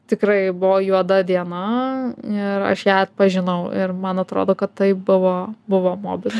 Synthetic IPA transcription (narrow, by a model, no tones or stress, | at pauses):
t̪ʲɪkɾɐɪbʊʋoːjuɔd̪ɐd̪ʲiɛnɐ | ɪɾɐ̰ʃjæːɐt̪̚pɐʒʲɪnɐʊɪ̰rmɐnɐt̪ɾo̰ːd̪oːkɐt̪t̪ːɐɪp̚bʊʋoːbʊʋoːmoːbʲɪlʲ